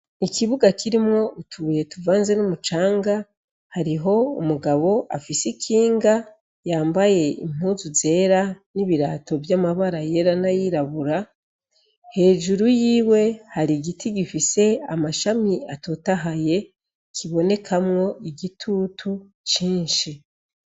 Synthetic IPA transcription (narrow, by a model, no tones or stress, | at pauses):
ikiβuɡakʰiɾimŋo̞utʰuje̞tuvaːnze̞numut͡ʃaːŋɡa | haɾiɦo̞umuɡaβo̞ʔa̰fisikʰiːŋɡa | jaːmbaje̞ḭm̥uːzuze̞ːɾaniβiɾa̰ːto̞vjamaβaɾaje̞ɾanajiɾaβuɾa | he̞ːʒuɾujiːwe̞haɾiɡitiɡifise̞amaʃamiato̞taɦaje̞ | kʰiβone̞kʰamŋo̞ʔiɡitʰutʰu | t͡ʃiːnʃi